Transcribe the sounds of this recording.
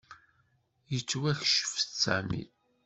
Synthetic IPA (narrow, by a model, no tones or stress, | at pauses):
jət͡sːwæçʃə̥ft͡sːæ̰ʕmḭl